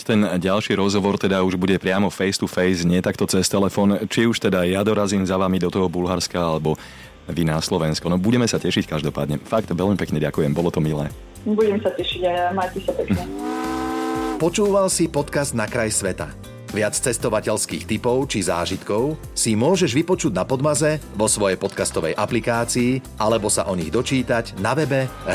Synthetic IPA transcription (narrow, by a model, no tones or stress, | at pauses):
t̪ɛnɟalʃiːɾɔzɦɔʋɔɾt̪ɛd̪auʒbuɟɛpɾɪamɔfɛjst̪ufɛjzɲɪɛt̪akt̪ɔt͡sɛst̪ɛlɛfɔːnt͡ʃiuʃt̪ɛd̪ajad̪ɔɾaziːmzaʋaːmid̪ɔt̪ɔɦɔbulɦaɾskaalɛbɔ | ʋinaslɔʋɛnskɔnɔbuɟɛmɛsacɛʃickaʒd̪ɔpaːd̪ɲɛfakt̪ʋɛlmipɛkɲɛɟakujɛmbɔlɔt̪ɔmilɛː | buɟɛmsacɛʃiɟamaːjcɛsapɛkɲɛ | pɔt͡ʃuːʋalsipɔt̪kazd̪nakɾajsʋɛt̪a̰ | ʋɪat͡st͡sɛst̪ɔʋacɛʎskiːxt̪ipɔʊt͡ʃiza̰ːʒit̪kɔʊ | simʊɔʒɛʒʋipɔt͡ʃuɟnapɔd̪mazɛʋɔsʋɔjɛjpɔt̪kast̪ɔʋɛjʔaplikaːt͡siːʔalɛbɔsa̰ʔɔɲiɣd̪ɔt͡ʃiːt̪aɟnaʋɛbɛ